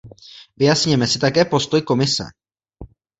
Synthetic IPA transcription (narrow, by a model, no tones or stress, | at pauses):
vɪjasɲɪmɛsɪt̪akɛːpo̞st̪o̞jko̞mɪsɛ̰